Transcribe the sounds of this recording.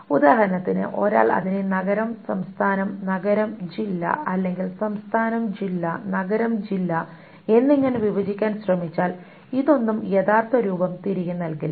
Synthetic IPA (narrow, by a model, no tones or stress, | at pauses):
ud̪aːɦɐɾɐnɐt̪ːinɨ̰ʔo̞̰ːɾa̰ːɭɐ̰ðinenɐɡɐɾɐmsɐmst̪ʰaːnɐmnɐɡɐɾɐmd͡ʑilːɐ̰ɐlːe̞ŋɡilsɐmst̪ʰaːnɐmd͡ʑilːɐnɐɡɐɾɐmd͡ʑilːɐ | e̞nːiŋːɐneʋiʋɐd͡ʑikʲːaːnɕrɐmit͡ɕːaːl | iðo̞nːumjeðaːrt̪wɐɾuːbɐmt̪iɾiɣunːɐlkil